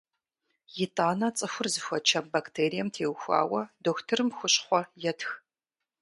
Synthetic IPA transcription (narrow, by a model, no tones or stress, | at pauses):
jɪtʼaːnɐt͡sʼɨxʷʊrzɨxʷɔt͡ʃʰɐmbaktʰeːɾijɛmtʰeːwxʷa̰ːwɐdoːxtʰɨrɨmxʷʊɕχʷɔjɛtʰx